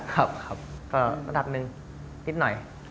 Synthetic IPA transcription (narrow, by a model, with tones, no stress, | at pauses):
kʰa˦˥p̚kʰa˦˥p̚kɔː˧˩ɾa˧mda˨˩p̚nɯ˨˧ŋ | nʰi˦˥t̪̚nɔ˨˩j